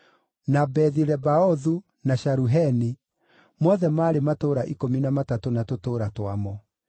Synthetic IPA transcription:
nabɛðiɾɛbaɔðu | naɕaɾuɦɛni | mɔðɛmaːɾematoːɾaʔikominamatatonatotoːɾatwamɔ

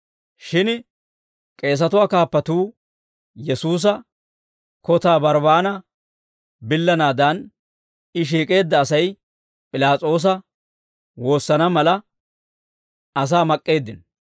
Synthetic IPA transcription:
ʃɪn | kʼe̞ːs̬ɐt̪ʊwaːkaːpːɐt̪uː | jɛsuːs̬ɐ | kɔt̪aːbɐɾbaːnɐ | bɪlːɐnaːd̪ɐn | ɪʃ̬iːkʼe̞ːd̪ːɐːsɐj | pʼɪlaːt͡sʼo̞ːs̬ɐ | wo̞ːsːɐnɐmɐlɐ | ʔɐs̬aːmɐkʼːe̞ːd̪ːɪn

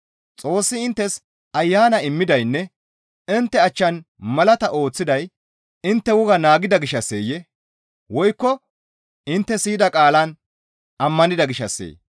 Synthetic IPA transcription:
t͡sʼo̞ːsːɪɪnt̪ːɛs | ɐjːaːnɐɪmːɪd̪ɐjnːɛ | ɪnt̪ːɛɐt͡ʃːɐn | mɐlɐt̪ɐʔo̞ːt͡sːɪd̪ɐj | ɪnt̪ːɛwʊɡɐnaːɡɪd̪ɐɡɪʃɐsːḛːjɛ | wɔjkːɔ | ɪnt̪ːɛsiːd̪ɐkʼaːlɐn | ʔɐmːɐnɪd̪ɐɡɪʃɐsːḛː

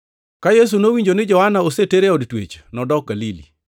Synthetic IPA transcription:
kajes̬unowiɲd͡ʒonɪd͡ʒɔhanaoseteɾeɔdtwḛt͡ʃnɔdɔk̚ɡalilḭ

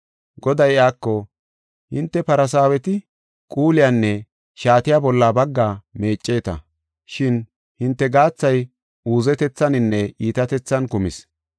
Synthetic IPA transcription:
ɡɔd̪ɐjaːkːɔ | hɪ̰nt̪ːɛpɐɾɐs̬aːwɛt̪ɪ | kʼuːlɪjanːɛ | ʃaːt̪ɪjaːbɔlːaːbɐɡːaːme̞ːt͡ʃʼːeːt̪ɐ̰ | ʃɪn | hɪnt̪ːɛɡaːt͡sːɐj | uːzɛt̪ɛt͡sːɐnɪnːɛʔiːt̪ɐt̪ɛt͡sːɐnkʊmɪ̰s

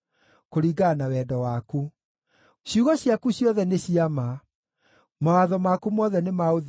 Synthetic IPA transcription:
koɾiːɡanawɛːdɔwaku | ɕiuɣɔɕjakuɕjɔðɛneɕiama | mawaðɔmakumɔːðɛnemaoð

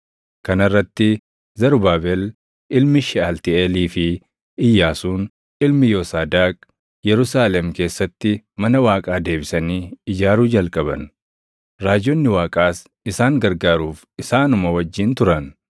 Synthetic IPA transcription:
kɐnɐrːɐt̪ːɪ | zɐɾʊbaːbɛl | ʔɪlmɪʃɪalt̪ɪeːliːfɪ | ɪjːaːsuːn | ɪlmɪjo̞ːsaːd̪aːk | jɛɾʊs̬aːlɛmke̞ːsːɐt̪ːɪmɐnɐwaːkʼaːd̪e̞ːbɪsɐniːɪd͡ʒaːɾuːd͡ʒɐlkʼɐbɐ̰n | ɾaːd͡ʒɔnːɪwaːkʼaːs | ɪsaːŋɡɐɾɡaːɾuːf | ɪsaːnʊmɐwɐd͡ʒːɪnt̪ʊɾɐn

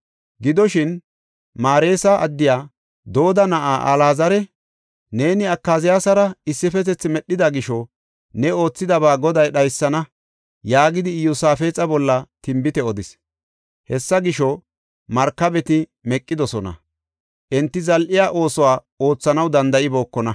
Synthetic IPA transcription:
ɡɪd̪ɔʃɪn | maːɾe̞ːsɐʔɐd̪ːɪjaː | d̪o̞ːd̪ɐnɐʔaːʔɐlaːzɐɾɛ | ne̞ːnɪɐkːaːzɪjaːsɐɾɐɪsːɪfɛt̪̬ɛt͡sːɪmɛɗːɪd̪ɐɡɪʃɔ | nɛo̞ːt͡sːɪd̪ɐbaːɡɔd̪ɐjɗɐjsːɐnɐ | jaːɡɪd̪ɪjʊsaːfeːt͡sʼɐbɔlːɐt̪ɪmbɪt̪ɛɔd̪ɪs | hɛsːɐɡɪʃɔ | mɐɾkːɐbɛt̪ɪmɛkʼːɪd̪ɔsɔnɐ̰ | ʔɛnt̪ːɪzɐlʔɪjaːʔo̞ːsɔwaː | o̞ːt͡sːɐnɐwd̪ɐnd̪ɐʔɪbo̞ːkːɔnɐ

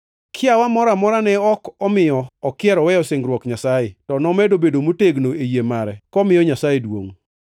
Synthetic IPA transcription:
kʰɪawamɔɾamɔɾanɛɔkɔmɪjɔːkɪɛɾɔwɛjɔseŋɡɾwɔkɲasajɪtɔnɔmɛdobedomoteɡnoejemaɾɛkɔmɪjɔɲasajedwo̰ŋ

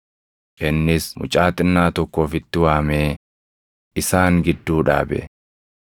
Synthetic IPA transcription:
kɛnːɪsmʊ̰t͡ʃʼaːt̪ʼɪnːaːt̪ɔkːo̞ːfɪt̪ːɪwaːmeː | ʔɪsaːŋɡɪd̪ːuːᶑa̰ːbɛ̰

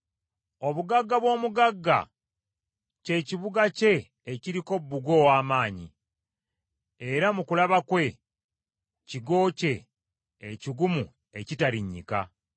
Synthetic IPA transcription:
o̞βuɡaɡːaβwo̞ːmuɡaɡːa̰ | ce̞ːciβuɡace̞ː | ciɾiko̞bːuɡo̞ːwaːmaːɲḭ | eɾamukulaβakwe̞ | ciɡo̞ːce̞ː | ciɡumu | e̞citaɾiɲːḭka̰

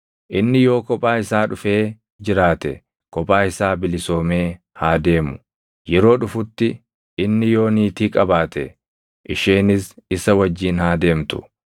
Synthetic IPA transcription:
ʔɪnːɪjo̞ːkɔpʼːaːɪsaːᶑʊfe̞ː | d͡ʒɪɾaːt̪ɛ̰ | kɔpʼːaːɪsaːbɪlɪso̞ːme̞ː | haːd̪e̞ːmʊ | jɛɾo̞ːᶑʊfʊt̪ːɪ | ɪnːɪjo̞ːniːt̪iːkʼɐbaːt̪ɛ̰ | ʔɪʃeːnɪsɪsɐwɐd͡ʒːiːnhaːd̪e̞ːmt̪ʊ̥̰

